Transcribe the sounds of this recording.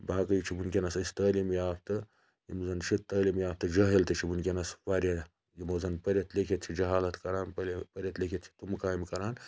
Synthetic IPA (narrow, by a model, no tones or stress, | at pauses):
baːkɐjit͡ʃʰibunkʲenɐsɐsʲt̪ɐːlimjaːpʰt̪ɨ | jimzɐnt͡ʃʰit̪ːəːlimjaːp̚t̪ɨd͡ʒɐɦelt̪ɨt͡ʃʰibunkʲenɐswaɾʲɐ | jimozɐnpɐɾʲjɐt̪lekʰʲet̪̚t͡ʃʰid͡ʒɐɦaːlɐt̪kɐɾaːnpɐlpɐɾʲjɐt̪lekʰʲet̪t͡ʃʰi̥t̪umkaːimkɐɾaːn